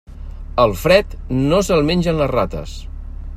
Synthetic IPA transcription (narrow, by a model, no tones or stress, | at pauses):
əlˠfɾɛt̪nosəlˠmenʲʒənlərat̪ə̰s